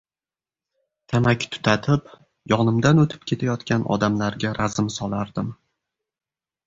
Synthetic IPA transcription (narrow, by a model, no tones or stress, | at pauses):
t̪ʰamakʲt̪ʰʊ̥t̪ʰat̪ʰɪp | jɒnɪmd̪anot̪ʰɪ̥p̚kʲʰe̞t̪ʰajɒt̪kʲanɒ̰d̪amlaɾɡʲaɾazɪmsɒlˠaɾd̪ɪm